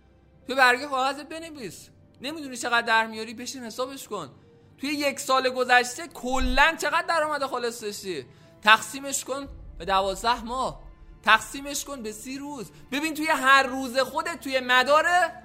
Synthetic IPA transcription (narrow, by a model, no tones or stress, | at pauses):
t̪ʰujebæɾɡekɒɣæzebe̞neviːs | ne̞miːd̪unit͡ʃʰe̞ɣæd̪̚ːæɾmijɒɾiːbe̞ʃinhe̞sɒːbe̞ʃkon | t̪ʰujeje̞csɒːleɡo̞zæʃt̪e̞kʰolːænt͡ʃʰe̞ɣæd̪̚ːæɾɒːmæd̪exɒːlesd̪eʃi | t̪ʰæxsiːme̞ʃkonb̥e̞d̪ævɒːzd̪æhmɒːht̪ʰæxsiːmeʃko̞nbesiːɾuːzbe̞biːnt̪ʰuje̞ɦæɾːuːze̞xod̪e̞t̪ʰːuje̞mæd̪ɒːɾe